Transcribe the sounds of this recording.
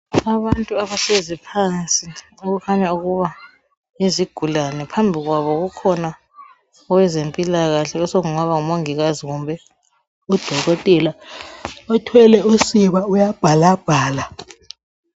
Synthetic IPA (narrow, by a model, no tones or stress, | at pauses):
aβantʼuaβasezipʰant͡sʼi | uɣukʰaɲauɣuβa | iziɡ̥ʱulanɛpʰambʱiɣwaβɔɣukʰɔna | wɛzempʼilaɣaɬɛɔsoɣuŋaβaŋumoŋiɣaziɣumbʱɛ | ud̥ʱɔɣɔtʼɛla | ɔtʰwɛlɛusiβaujab̥ʱalab̥ʱaːla